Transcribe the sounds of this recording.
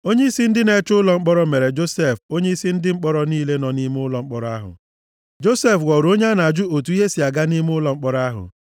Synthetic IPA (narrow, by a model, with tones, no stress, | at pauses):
o˦ɲe˦i˦si˦n̩˦dɪ˦ne˨˦t͡ʃʊ˦lɔ˨ŋ͡m̩˦k͡pɔ˦ɾɔ˦me˨ɾe˨d͡ʒo˦se˦˨fo˦ɲe˦i˦si˦n̩˦dɪ˦ŋ͡m̩˦k͡pɔ˦ɾɔ˦niː˦le˦nɔ˨ni˦m˦ʊ˦lɔ˨ŋ͡m̩˦k͡pɔ˦ɾa˦ɦʊ̰˨ | d͡ʒo˦se˦fwɔ˨ɾo˦ɲ˦a˦na˨d͡ʒu˦o˨tu˨˦i˦ɦe˦si˨a˨ɡa˦ni˦m˦ʊ˦lɔ˨ŋ͡m̩˦k͡pɔ˦ɾa˦ɦʊ̰˨